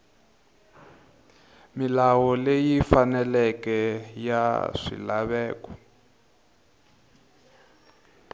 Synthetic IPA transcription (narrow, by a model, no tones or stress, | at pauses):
milawɔlejifanɛlɛkɛja̰ʂḭlaβɛːkɔ̥